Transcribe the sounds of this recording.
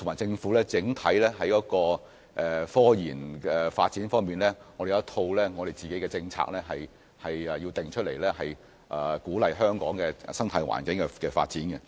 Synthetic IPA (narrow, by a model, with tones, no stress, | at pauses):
t̪ʰʊ˨˩maː˨˩jt͡sɪ˧ŋfuː˨˥lɛː˥t͡sɪ˨˥ŋt̪ʰɐ˨˥jlɛː˥ɦɐ˨˥jkɔː˨˥kɔː˧ | ʔɛ˨fɔː˥jiː˨˩nɛ˨faː˧t̚t͡siː˨˥nfɔː˥ŋmiː˨nlɛ˥ŋɔ˨˧ɾde˨jt̪ʰo˧wlɛː˥ŋɔː˨˧ɾe˨jt͡siː˨ke˨˥jkɛ˧t͡sɪ˧ŋt͡sʰa̰ː˧k̚lɛː˥ɦɐ˨j | hɐ˨jɛ˨ji˧wt̪ɪ˨˩ŋt͡ʃʰɵ˥t̚lḛ˨˩jlɛ˥hɐ˨j | ʔɛː˨˩kuː˨˥lɐ˨jɦœː˥ŋkɔ̰ː˨˥ŋkɛː˧˨sɐ˥ŋt̪ʰaː˧jwa̰ː˨˩nkɪ˨˥ŋkɛ˧kɛː˧fa̰ː˧t̚t͡siː˨˥nɡɛ˧